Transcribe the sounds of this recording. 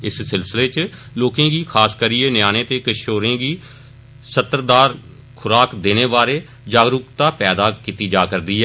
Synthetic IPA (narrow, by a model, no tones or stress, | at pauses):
ɪssɪlsɪleːt͡ʃloːkẽːɡiːkʰaːskəɾiːenjaːnẽːt̪eːkəʃoːɾẽːɡiː | sət̪əɾd̪aːɾ | kʰʊɾaːkd̪eːneːʋaːɾeː | d͡ʒaːɡɾʊkt̪aːpɛːd̪aːkit̪iːd͡ʒaːkəɾd̪iːɦɛː